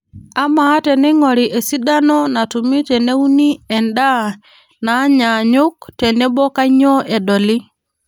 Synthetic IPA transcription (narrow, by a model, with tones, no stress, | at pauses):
a˦ma˦tɛ˨nɪ˦ŋɔ˨ɾi˨ʔe˨si˦da˦nɔ˦na˨tu˨mi˦tɛ˨ne˦u˦ni˦ɛ˨nda˦ | na˨˦ɲa˨ɲʊ˦k̚tɛ˨nɛ˦bɔ˦ka˦ɲɔ˦ʔe˨dɔ˨li˦